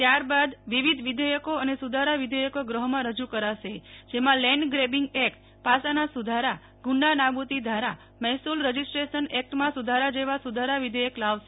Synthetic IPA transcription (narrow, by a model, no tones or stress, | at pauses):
t̪jaɾbad̪ʋiʋid̪ʱʋid̪ʱəjəkoənesud̪ʱaɾaʋid̪ʱəjəkoɡɾəɦmãɾəd͡ʒukəɾaʃed͡ʒemãlɛɳɖɡɾebɪŋɡɛkʈ | pasanasud̪ʱaɾa | ɡʊɳɖanabut̪id̪ʱaɾa | mɛɦsulɾəd͡ʒisʈɾeʃənɛk̚ʈmãsud̪ʱaɾad͡ʒeʋasud̪ʱaɾaʋid̪ʱəjəklaʋʃe